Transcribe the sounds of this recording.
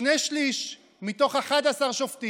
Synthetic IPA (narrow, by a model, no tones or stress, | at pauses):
nejʃliʃ | mit̪o̞χeχadasaʁʃofti